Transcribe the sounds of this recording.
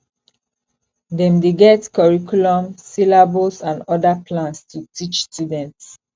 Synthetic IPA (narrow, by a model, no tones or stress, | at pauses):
dɛ̃mdeɡɛtkɔɹikulɔ̃msilabusãndɔdapʰlãntstutit͡ʃstjudɛ̃nts